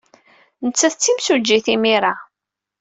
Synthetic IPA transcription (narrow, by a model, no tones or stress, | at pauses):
nət͡sːæθət͡sːimsud͡ʒːiθimiɾˤa